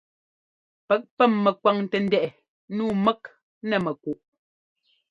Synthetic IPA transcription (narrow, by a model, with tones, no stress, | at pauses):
pɛ˦k̚pɛ˦˨mːɛ˨kwa˨˦ŋ˦tɛ˨n̩˦dɛ˨ʔɛ˨ | nuː˦˨mɛ˦k̚ | nɛ˨mɛ˨ku˨ʔ